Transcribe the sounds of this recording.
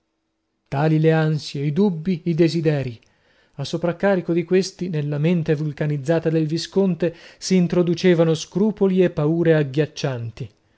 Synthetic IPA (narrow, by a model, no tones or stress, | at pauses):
t̪aːlileansjeid̪ubːiːd̪ezid̪ɛːɾi | asːopɾakːaːɾikod̪ikwest̪inelːament̪evulkanid̪zːaːt̪ad̪elviskont̪esiːnt̪ɾod̪ut͡ʃeːvanoskɾuːpoliepːauːɾeaɡːjat͡ʃːant̪i